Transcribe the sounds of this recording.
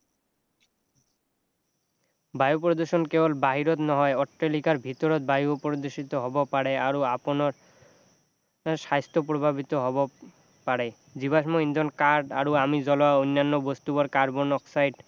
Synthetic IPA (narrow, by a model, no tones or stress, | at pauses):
bajupɾod̪oɾʃonkebolbaɦiɾot̪nɔɦɔeɔʈɾelikaɾbʱit̪oɾot̪̚bajupɾod̪oɾʃit̪oɦɔbopaɽeaɾoaponoɾ | ʃajst̪ʰop̬ɾobʱabit̪oɦɔbo | paɽe | d͡ʑiβaʃmoind̪ʱonkaɾɖa̰ɾoamid͡ʑɔloaonːanːobost̪uboɾkaɾbonɔksajɖ